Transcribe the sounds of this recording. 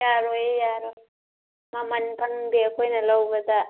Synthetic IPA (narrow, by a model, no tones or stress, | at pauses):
jaɾojjaɾoj | mamɐnpʰɐŋbiɐkʰojnɐlɐwbɐd̪ɐ